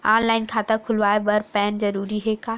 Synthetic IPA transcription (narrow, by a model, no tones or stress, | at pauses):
aːnlaːɪnkʰãt̪ɐkʰʊlʋaːebɐɾpɛːnzɐɾuːɾiɦeːkaː